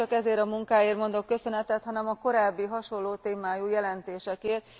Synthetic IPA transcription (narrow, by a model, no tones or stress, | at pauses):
ɒkɛzeːɾɒmuŋkaːjeːrmo̞nd̪o̞kːø̞sø̞nɛt̪ɛt̪hɒnɛmɒko̞ɾaːbːiɦɒʃo̞nlːoːt̪eːmaːjujɛlɛnt̪eːʃɛkeːr